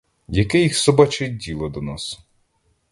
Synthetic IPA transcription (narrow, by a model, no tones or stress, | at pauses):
jɐkɛjixsɔbɑt͡ʃɛdʲilˠɔd̪ɔnɑs